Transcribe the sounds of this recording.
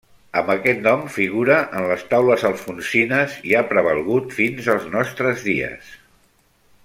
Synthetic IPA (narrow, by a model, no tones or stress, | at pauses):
əmbəkɛt̪nɔmfiɣuɾəʔənləst̪awləzəlˠfunsinəziapɾəβəlˠɣut̪finzəlˠznɔst̪ɾəzðiə̰s